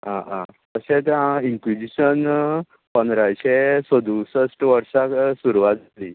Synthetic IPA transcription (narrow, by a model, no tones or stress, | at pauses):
ɦã̰ã̰t̪əɕet̪ãiŋkʋid͡ʑiɕən | pənd̪ɾajɕesəd̪usəsʈʋəɾʂaksuɾʋat̪d͡zat̪li